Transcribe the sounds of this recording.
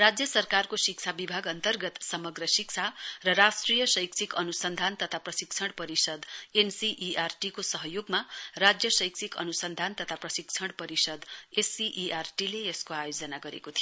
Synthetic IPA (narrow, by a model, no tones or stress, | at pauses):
rad͡zjʌsʌrkarkosik̚t͡sʰabibʱaɡʌnt̪ʌrɡʌt̪sʌmʌɡrʌsik̚t͡sʰarʌɾasʈrijʌsʌjk̚t͡sʰikʌnusʌnd̪ʱant̪ʌt̪ʰaprʌsik̚t͡sʰʌɽpʌɾisʌd̪ensiʔiʔarʈikosʌɦʌjoɡmarad͡zjʌsʌjk̚t͡sʰikʌ̰nusʌnd̪ʱant̪ʌt̪ʰaprʌsik̚t͡sʰʌɽpʌɾisʌd̪esiʔiʔarʈileeskoajod͡zʌnaɡʌɾḛkot̪ʰijo